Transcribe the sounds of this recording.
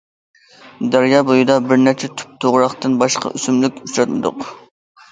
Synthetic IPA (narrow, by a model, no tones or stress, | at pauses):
d̪æɾjɑbojɨd̪ɑbɪɾnæɾt͡ʃʰɛt̪ʰy̥p̚t̪ʰoʁɾɑχt̪ɨnbɑʃqɑ̰ʔysymlykʲyt͡ʃɾɑt̪mɨd̪ʊ̰q